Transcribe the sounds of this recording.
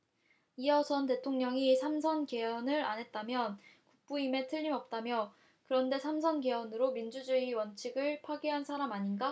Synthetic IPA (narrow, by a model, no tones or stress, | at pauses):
iʌsʰʌnte̞tʰoŋɲʌŋisʰamsʰʌnke̞ʌnɯɾa̰nɦe̞t̚t͈amjʌnkuk̚p͈uime̞tʰɯʎːimʌp̚t͈amjʌ | kɯɾʌnde̞sʰamsʰʌnke̞ʌnɯɾomind͡ʑud͡ʑɯiwʌnt͡ɕʰiɡɯɭpʰwaɡiɦansʰaɾamaɲinɡa